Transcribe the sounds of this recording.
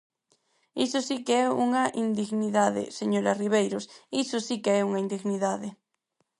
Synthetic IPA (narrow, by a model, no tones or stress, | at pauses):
isʊsikeɛuŋɐʔind̪iɣniðaðḛseɲoɾariβejɾosisʊsikeɛuŋaind̪iɣniðaðɪ